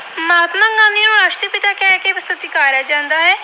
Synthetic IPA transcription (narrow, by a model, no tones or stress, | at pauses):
maːt̪mãːŋɡãːnĩũɾaːʃʈɾəpɪt̪aːkɛːkeːpɪst̪ət̪iːkaːɾjaːd͡ʒãːnd̪aːɦɛː